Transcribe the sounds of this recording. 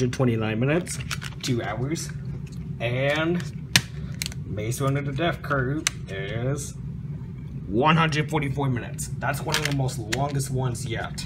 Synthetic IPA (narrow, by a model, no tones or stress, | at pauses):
ɨd̚tʰw̥ɛ̃ɾ̃inãɪ̃nmɪ̃nɨtstʰʉaʊə˞z̥ | ɨ̃n | meɪswə̃nɨ˞ðɨdɛfkʰɜ˞ɪz̥ | wʌ̃nhʌ̃ndɹɨd̥fɔɹɾifɔɹmɪ̃nɨ̰tsðætswʌ̃nʌvðəmoʊstˡlɔ̃ŋɡɨst̚wʌ̃nzjɛ̰t